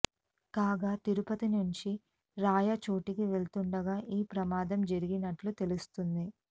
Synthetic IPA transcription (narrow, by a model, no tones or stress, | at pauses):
kaːɡaːt̪iɾupɐt̪inuɲt͡ʃi | ɾaːjɐt͡ʃoːʈikiʋe̞ɭt̪uɳɖɐɡaːʔiːpɾɐmaːd̪ɐmd͡ʒɐɾiɡinɐʈlut̪e̞lust̪und̪i